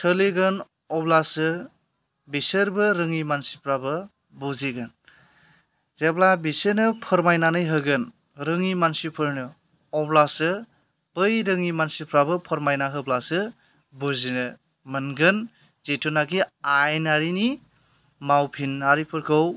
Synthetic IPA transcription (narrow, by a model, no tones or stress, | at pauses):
tʰɯleɡɯn | ɔblasɯ | bisɯɾbɯɾɯŋimansipʰɾabɯ | buziɡɯn | zeblabisenɯpʰɯɾmajnanɯjɦɯɡɯn | ɾɯŋimansipʰɯɾnɯ | ɔblasɯ | b̥ɯjɾɯŋimansipʰɾabɯpʰɔɾmajnaɦɯblasɯ | buzinɯ | mɯnɡɯn | zetʰunaɡiajnaɾini | mawpʰinaɾipʰɯɾkʰɯw